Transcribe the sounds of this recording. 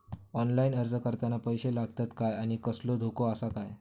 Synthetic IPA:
ɔnlainəɾd͡zkəɾt̪anapəjɕelaɡt̪at̪kajaɽ̃ikəslod̪ʱokoasakaj

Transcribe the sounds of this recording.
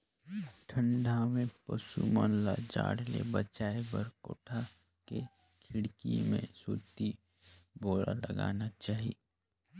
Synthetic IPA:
ʈʰə̃ɳɖamẽpəsumənlad͡ʒa̰ːɽlḛbət͡ʃaːebəɾko̰ːʈʰa | ke | kʰɪɽkḭmḛ̃suːt̪i | boːɾa̰ləɡa̰ːnat͡ʃaːɦi

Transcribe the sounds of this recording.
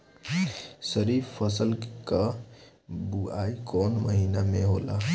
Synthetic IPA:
səɾifpʰːəsəlka | buaikɔnməɦiːnameɦola̰

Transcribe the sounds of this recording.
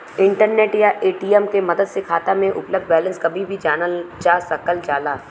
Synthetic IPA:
ɪ̃ɳʈəɾneːʈjaʔeːʈiːɛmkemɐd̪əd̪sekʰaːt̪amẽʔʊpləb̚d̪̚ʱbɛːlə̃nskɐbʱibʱid͡ʒaːnəlt͡ʃaːsɐkəld͡ʒaːlaː

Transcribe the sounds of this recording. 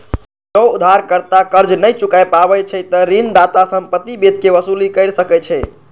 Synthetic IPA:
d͡ʒəud̪ʱaɾkəɾt̪akəɾd͡ʒnəjt͡ʃukajpabɛjt͡ʃʰɛt̪əɾind̪at̪asəmpət̪ːibet̪keʋəsulikəjɾsəkɛt͡ʃʰɛ

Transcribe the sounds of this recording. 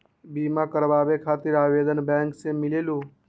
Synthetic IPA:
biːmãkəɾʋaːʋekʰaːt̪ɪɾaːʋeːd̪ənbɛ̃ːŋksemɪleːluː

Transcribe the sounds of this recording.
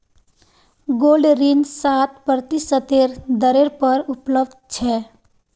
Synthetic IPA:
ɡoːlɖɾinsat̪̚pɾət̪isət̪eɾd̪əɾeɾpəɾʊpləbd̪t͡ʃʰɛː

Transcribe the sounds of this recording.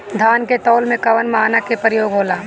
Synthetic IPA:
d̪ʱaːnket̪ɔːlmẽkɐʋənmaːnakepɾɪjoːɡɦoːlaː

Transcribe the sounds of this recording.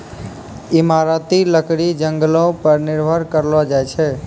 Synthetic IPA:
imaɾat̪iləkɽid͡ʒəŋɡəlõpəɾniɾbʱəɾkəɾlɔd͡ʒajt͡ʃʰɛ

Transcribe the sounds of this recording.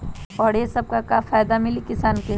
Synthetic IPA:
ɔːɾjesɐb̚kakafʰaːjd̪amɪlikɪsaːnke

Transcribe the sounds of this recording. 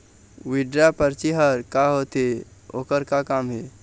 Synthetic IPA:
ʋiɖɾapəɾt͡ʃiɦəɾkaɦoːt̪eo̰ːkəɾkakaːmɦe

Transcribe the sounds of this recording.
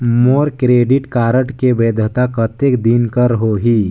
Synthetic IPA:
moːɾkɾeːɖɪʈkaːɾəʈkebeːd̪ʱət̪akət̪ekd̪inkəɾɦoɦiː

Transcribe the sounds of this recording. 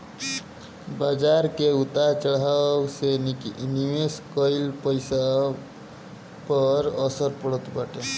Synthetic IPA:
bad͡ʒaɾkeut̪at͡ʃəɽ̤awsenikniweskəɪlpəɪsa | pəɾəsəɾpəɽət̪baʈe

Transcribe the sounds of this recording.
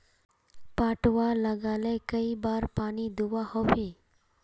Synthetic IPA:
paːʈwaːləɡaːlekəibaːɾpaːnid̪uwaːhobiː

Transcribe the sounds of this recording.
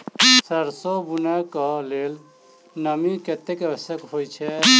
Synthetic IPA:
səɾsobunɛkəlel | nəmiket̪ekəbəsjəkɦojt͡ʃʰɛ

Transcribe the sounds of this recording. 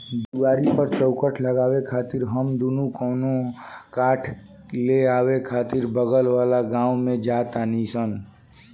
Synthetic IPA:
d̪iwaɾipəɾt͡ʃəʊkəʈʰləɡaːwekʰaːt̪iɾɦəmd̪unukɔːnokaʈʰ | leaːwekʰaːt̪iɾbəɡəlʋalaɡãumẽd͡ʒat̪anisən

